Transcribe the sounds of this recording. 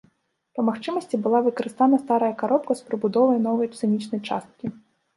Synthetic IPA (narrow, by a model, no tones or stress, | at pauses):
pɐmaxt͡ʂɨmɐsʲt͡sʲibɨlˠavɨkɐɾɨst̪anɐst̪aɾɐjɐkaɾɔpkɐspɾɨbud̪ɔvɐjnɔvɐjpt̪sɨnʲit͡ʂnɐjt͡ʂa̰st̪̚kʲi